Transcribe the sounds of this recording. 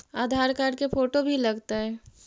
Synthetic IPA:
aːd̪ʱaːɾkaːɾɖkepʰoːʈobʱilɐɡt̪aɦɛː

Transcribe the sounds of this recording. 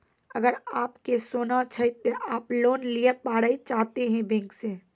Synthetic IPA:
əɡəɾaːpkesoːnat͡ʃʰəit̪oʔaːploːnliepaːɽəit͡ʃaːɦt̪eɦɛ̃bẽŋkse

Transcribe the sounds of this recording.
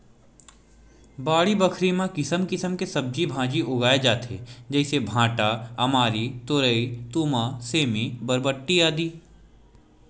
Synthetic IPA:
baːɭibɐkʰɾimãkɪsəmkɪsəmkesɐb̚d͡ʒibʱãːd͡ʒiʔʊɡaːed͡ʒaːt̪ʰḛːd͡ʒɛːsebʱãːʈaɐmaːɾit̪ʊɾəit̪uːmaseːmẽbɐɾbəʈːiaːd̪iː

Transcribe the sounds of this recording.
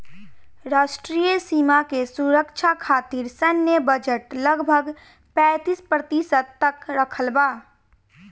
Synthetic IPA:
ɾasʈɾijəsimakesuɾəkt͡ʃʰakʰaːt̪iɾsənjəbəd͡ʒəʈləɡbʱəɡ | pɛ̃ːt̪ispɾət̪isət̪ːəkɾəkʰəlba

